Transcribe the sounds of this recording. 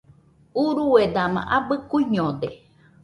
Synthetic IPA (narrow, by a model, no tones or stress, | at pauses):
uɾued̪amã̰ʔabɨkuiɲõd̪e